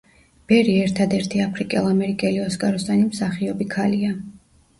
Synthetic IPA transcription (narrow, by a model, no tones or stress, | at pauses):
b̥ɛɾiɛɾt̪ʰad̪ɛɾt̪ʰiapʰɾikʼɛlˠamɛɾikʼɛliɔskʼaɾɔsd̪animsaχiɔbikʰalia